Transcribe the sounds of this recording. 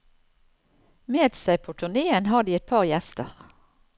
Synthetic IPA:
meːd̪sæɪpʰoːt̪ʰʉʁneːənhɑːd̪iːɛt̪̚pʰɑːʁjæst̪əʁ

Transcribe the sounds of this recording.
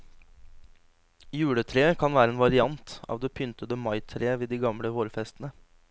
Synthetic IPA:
jʉːɽət̪ʰɾeːəkʰɑnʋæːɾəeːnʋɑɾɪɑnt̪ɑ̰ːʋd̪eːpʰʏnt̪əd̪əmɑɪt̪ʰɾeːəʋeːd̪iːɡɑmɽəʋoːɾfɛst̪n̩ə

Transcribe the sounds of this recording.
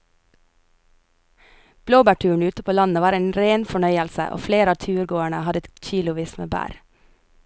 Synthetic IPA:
b̥loːbæːʈʰʉːɳ̩ʉːt̪əpʰoːlɑnəʋɑːɾeːnɾeːnfɔɳœʏəlsə̰ʔo̰ːfleːɾəɑːt̪ʰʉːɾɡoːæɳəhɑd̪əɛçiːlʊʋiːsmḛːbæ̰ːɾ

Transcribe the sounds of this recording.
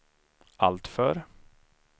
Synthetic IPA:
ʔalt̪fœɾ

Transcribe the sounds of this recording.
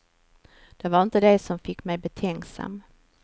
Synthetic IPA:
d̪̥ɛvaɾɪnt̪əd̪ɛsɔmfɪkːmɛjbɛt̪ʰɛŋksa̰m

